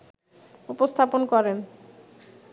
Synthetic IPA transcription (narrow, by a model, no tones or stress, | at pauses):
upost̪ʰaponkɔɾen